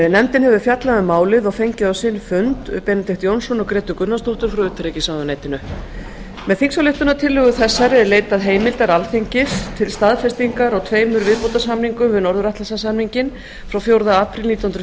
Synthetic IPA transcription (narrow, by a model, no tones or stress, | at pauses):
nɛmt̪ɪnɦɛvʏ̥fjat̪laðʏmaːwlɪðɔɣfejɲcɪðawsɪnːfʏnt̪pɛːnat̪ɪht̪jownsɔnɔɣkɾɛːt̪ʏkʏnːast̪owht̪ʏɾ̥fɾɔʏːt̪ʰaɾecɪsawðʏneːjt̪ɪnʏ | mɛðθiŋksawleht̪ʏnat̪ʰɪlːʏɣʏθɛsːaɾɛɾleːjt̪aðɦeːjmɪlt̪aɾalθeɲcɪst̪ʰɪlst̪aðfɛst̪iŋkaɾaɣt̪ʰveːjmʏɾvɪðpowt̪asamniŋkʏmvɪðnɔɾðʏɾaht̪lasasamniɲcɪn | fɾawfjowɾðaaːpɾɪlniːt̪anhnɾʏ